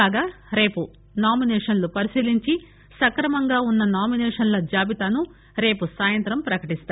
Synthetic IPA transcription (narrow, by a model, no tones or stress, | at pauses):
kaːɡaːɾe̞ːpu | naːminɛːʂɐnlupɐɾisiːliɲt͡ʃi | sɐkɾɐmɐŋɡaːunːɐnaːminɛːʂɐnlɐd͡ʒaːbit̪aːnu | ɾe̞ːpusaːjɐnt̪ɾɐmpɾɐkɐʈist̪a